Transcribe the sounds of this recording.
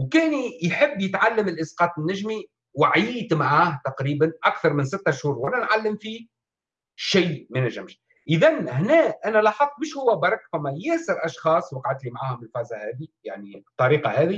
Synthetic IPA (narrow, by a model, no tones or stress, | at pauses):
wkɛːnijħɪbːjɪt̪ʕalːəmɪlʔɪsqɑːt̪ˤɪnːæʒmi | waʕjiːt̪maʕaːht̪ɑqɾiːbanʔakθɑɾˤmɪnsɪt̪ːaʃhuːɾˤwælænʕalːɪmfi | ʃiːmænæʒɪmʃ | ʔɪðænhnɛːʔænælɑːħɑq̚ˤːmɪʃhʊwːæbɑɾˤɑkfæmːæjæːsɪɾʔɑʃxɑːsˤwɑqɑʕat̪limaʕaːhʊmɪlfæːzahɛːðijaʕnit̪ˤːɑɾiːqɑhɛːði